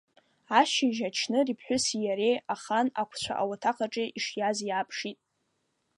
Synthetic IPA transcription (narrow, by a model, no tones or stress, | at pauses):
aʃiʒat͡ʃʰnɨripʰħʷᶣʊsijaɾejaχanakʷʰt͡ɕʷʰa̰ʔa̰watʰaqʰʼaʈ͡ʂʼeʔiʂjazjaːpʰʂitʼ